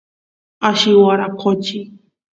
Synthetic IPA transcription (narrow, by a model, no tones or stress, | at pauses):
aʃiwaɾaqʰot͡ʃi